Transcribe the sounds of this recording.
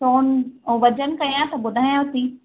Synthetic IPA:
soːnoʋɐd͡ʑənkɐijãt̪ɐɓʊd̪ʱaːjãʊt̪iː

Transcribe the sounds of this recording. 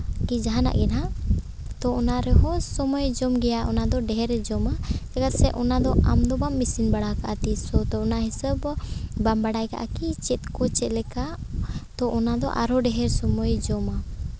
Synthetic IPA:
kid͡ʒaɦana̰ʔɡɛna | t̪ɔɔnaɾɛɦɔsɔmɔjd͡ʒɔmɡɛjaʔɔnad̪ɔɖɛɦɛɾɛd͡ʒɔmad͡ʒakat̪̚sɛʔɔnad̪ɔʔamd̪ɔbamːisinbaɽakaʔat̪isɔt̪ɔɔnaɦisəbbambaɽajka̰ʔa̰kit͡ʃɛt̪̚ˀkɔt͡ʃɛt̪lɛkat̪ɔʔɔnad̪ɔ̰ʔa̰ɾɔɖɛɦɛɾsɔmɔjd͡ʒɔma

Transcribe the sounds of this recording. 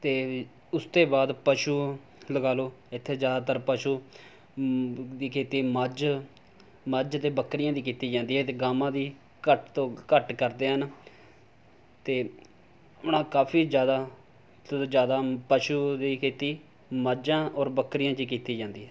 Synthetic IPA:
t̪eː | ʊst̪eːbaːd̪pəʃuː | ləɡaːloːɪt̪ʰːeːd͡ʒjaːd̪aːt̪əɾpəʃuː | d̪iːkʰeːt̪iːməd͡ʒ | məd͡ʒt̪eːbəkːɾɪjãːd̪iːkiːt̪iːd͡ʒãːnd̪iːɦɛːt̪eːɡaːmãːd̪iː | kəʈt̪õːkəʈkəɾd̪eːɦən | t̪eː | ʊnãːkaːpʰiːd͡ʒjaːd̪aː | t̪ːd͡ʒjaːd̪aːpəʃuːd̪iːkʰeːt̪iː | məd͡ʒãːʔɔːɾbəkːɾɪjãːt͡ʃiːkiːt̪iːd͡ʒãːnd̪iːɦɛː

